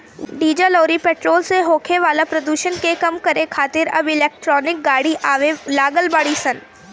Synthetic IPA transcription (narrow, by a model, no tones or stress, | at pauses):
ɖiːd͡ʒalɔːɾipeːʈɾoːlseɦoːkʰeʋaːlapɾɐd̪uːʃənkekɐmkɐɾekʰaːt̪ɪɾɐ̰bɪlɛːk̚ʈɾɔːnɪk̚ɡaːɽiʔaːʋelaːɡəlbaːɽisən